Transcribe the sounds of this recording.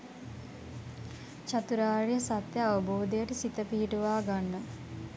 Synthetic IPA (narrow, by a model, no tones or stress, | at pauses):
t͡ʃat̪uɾaːɾijəsat̪jəaʋəboːd̪ejəʈəsit̪əpiɦiʈuʋaːɡanːə